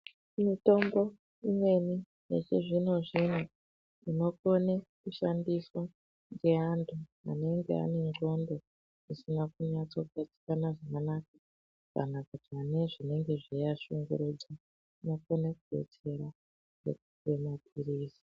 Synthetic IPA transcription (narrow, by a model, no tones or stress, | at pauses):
mito̞mbo̞ | imwe̞ni | jḛt͡ʃeʐino̞ʐin̤u | ino̞ko̞nekuʃandiso | ŋɡe̞antʰua̰ne̞ŋɡe̞̰a̰ne̞ŋɡo̞ndo̞ | isinakuɲat͡so̞kat͡si̥kanaʐakanakḁ | ka̰nakatane̞ʐine̞ŋɡe̞ʐijaʃuŋɡṵɾud͡za | ino̞konekuɓʱḛt͡se̞ɾa | nḛkuwe̞mapʰiɾiːsi̥